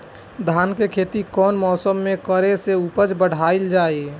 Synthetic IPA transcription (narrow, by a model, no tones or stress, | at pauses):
d̪ʱaːnkekʰeːt̪ikɔːnmɔːsəmːẽkəɾeseupət͡ʃbəɽ̤aːild͡ʒaːi